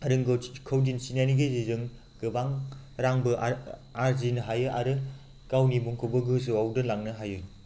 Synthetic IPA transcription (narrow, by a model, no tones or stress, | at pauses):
aɾɯŋɡokʰɐwdinsinajniɡizizɯŋ | ɡ̥ɯbaŋ | ɾaŋbɯʔaɾzinɯɦajɯʔaɾɯ | kawnibuŋkʰowbɯɡɯsɯawdɯlaŋnɯɦajɯ